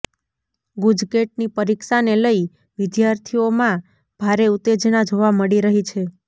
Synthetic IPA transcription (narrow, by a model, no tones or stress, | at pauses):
ɡud͡ʒɡeʈ̚nipəɾikʃaneləi | ʋɪd̪jaɾt̪ʰiomã | b̥ʱaɾeut̪ːed͡ʒnad͡ʒʱoʋaməɭiɾəɦit͡ʃʰe